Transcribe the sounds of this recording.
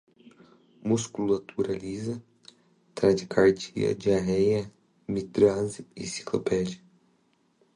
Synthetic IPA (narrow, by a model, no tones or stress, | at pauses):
muskulat̪ʰuɾalizɐ | t̪ɾad͡ʒɪkʰaɾt͡ʃḭɐ̰d͡ʒɪaɦɛjɐ | mit̪ɾazɪḭsi̥klo̰pɛd͡ʒiɐ